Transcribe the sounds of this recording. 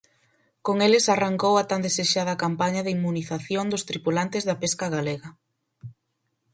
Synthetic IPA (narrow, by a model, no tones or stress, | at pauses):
koŋelɪsaraŋkowɐt̪and̪eseʃað̞ɐkampaɲɐðimːuniθaθjoŋd̪ʊst̪ɾipulant̪ɪzðapeskaɣaleɣɐ